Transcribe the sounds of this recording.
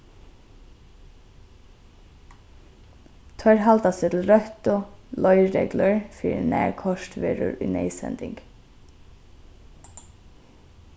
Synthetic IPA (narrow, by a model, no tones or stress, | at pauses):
t̪ʰœɹɦalt̪asɪt̪ʰl̩ɾœht̪ʊlɔʏɾɛ̰ɡləɹfiːɹnæ̰ːɹkʰɔʃtʋḛːɹʊ̰ɹʊ̰ʏneɪsɛ̰nd̪ɪ̰ŋk